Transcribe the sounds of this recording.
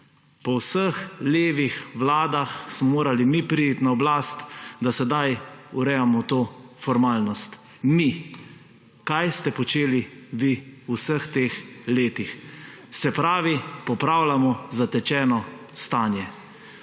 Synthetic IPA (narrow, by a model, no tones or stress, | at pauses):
pɔwsəxleːʋixʋlaːd̪axsmɔmoːɾalimipɾiit̪naɔblaːst̪d̪asɛd̪ajuɾɛjamɔt̪oːfɔɾmaːlnɔst̪ | mi | kajst̪ɛpɔt͡ʃeːliʋiusəxt̪eːxleːt̪ixsɛpɾaːʋipɔpɾaːwlamɔzat̪ɛt͡ʃɛːnɔ | st̪aːnjɛ